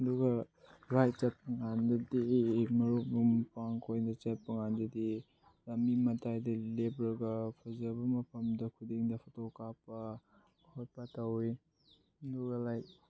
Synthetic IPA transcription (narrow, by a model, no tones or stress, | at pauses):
duɡɐɾajt̚t͡ʃɐt̚pɐŋandɐdimɐɾubumpaŋkʰojndɐt͡ʃet̚pɐŋandɐdi | lɐmimɐtʰajdɐlebɾɐɡɐpʰazɐbɐmɐpʰɐmdɐkʰudiŋdɐpʰɐtokapɐ | hoj̚patawi | nduɡɐlajt̚